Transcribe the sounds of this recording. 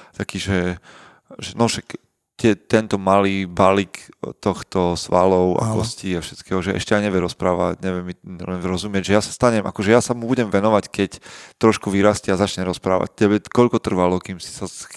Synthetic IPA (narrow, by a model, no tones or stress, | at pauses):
t̪akiːʒɛ | ʒɛnɔʃak | tɪɛt̪ɛnt̪ɔmaliːbalikt̪ɔxt̪ɔsʋalɔʊa̰kɔsciafʃɛt̪kɛːɦɔʒɛɛ̰ʃcɛajɲɛʋjɛɾɔspɾaːʋa̰cɲɛʋjɛmilɛnɾɔzumɪɛɟʒɛjasḁst̪aɲɛmʔa̰kɔʒɛjasamubuɟɛmʋɛnɔʋackɛct̪ɾɔʃkuʋiɾascɛazat͡ʃɲɛɾɔspɾa̰ːʋa̰c̚tɛbɛkɔʎkɔt̪r̩ʋalɔkiːmsi̥sas